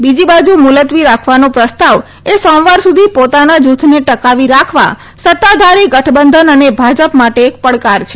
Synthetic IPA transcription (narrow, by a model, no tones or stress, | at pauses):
bid͡ʒibad͡ʒumʊlət̪ʋiɾakʰʋanopɾəst̪aʋ | esɔ̃wʋaɾsud̪ʱipot̪anad͡ʒut̪ʰneʈəkaʋiɾakʰʋa̰ | sət̪ːad̪ʱaɾiɡəʈʰbənd̪ʱənənebʱad͡ʒəpmaʈeːk̚pəɭkaɾt͡ʃʰe̥